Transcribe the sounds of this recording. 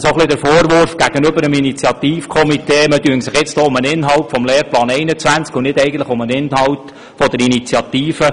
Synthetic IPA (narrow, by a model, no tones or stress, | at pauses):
soχlidəɾfoːɾʋʊɾfɡ̥æɡ̥ənøbəɾəminit͡sjɑt̪iːfkʰɔmiteːmətyəŋsɪχjɪt͡stoːʊmənɪnɦɑwtfɔmleːɾplɑːnɛɪnət͡sʋænt͡skʊnɪdɛɪɡən̩tləχʊmənɪnhɑwt | fɔd̪əɾinit͡sjɑt̪iːfə